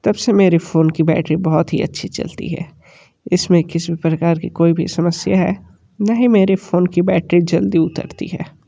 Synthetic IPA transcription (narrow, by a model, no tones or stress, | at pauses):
t̪ɐbsemeːɾefoːnkibɛ̰ːʈɾibɔɦʊt̪ɦḭɐ̰tːʃʰit͡ʃɐ̰lt̪ḭɦɛ̰ː | ɪsmẽkɪsibʱipɾɐkaːɾkikoːibʱḭsɐməsjaɦɛː | naɦimeːɾefoːnkibɛːʈɾid͡ʒɐld̪iʊt̪ə̰ɾt̪ḭɦɛ̰ː